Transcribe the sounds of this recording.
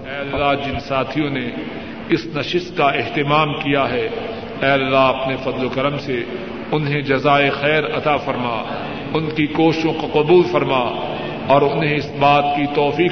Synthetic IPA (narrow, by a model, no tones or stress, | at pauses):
ɛːɐlɐlːad͡ʒɪnsaːt̪ʰijõne | ɪsnɐʃɪst̪kaɪɦt̪ɪmaːmkijaɦɛ | ɛːɐlːaɐpnefɐd̪lokɐɾəmse | ʊnɦẽd͡ʒɐzaːexɛːɾɐt̪afɐɾma̰ː | ʊnkikoːʃɪʃõkɐqɐbuːlfɐɾmaː | ɔːɾʊnɦẽɪsbaːt̪kit̪ɔːfiː